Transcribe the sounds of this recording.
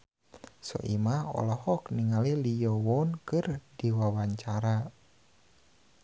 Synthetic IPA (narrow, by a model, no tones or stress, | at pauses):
sɔ̰ʔḭmahɔ̰lɔhɔkniŋalilijɔwɔnkɨrdiwawaɲt͡ʃaɾa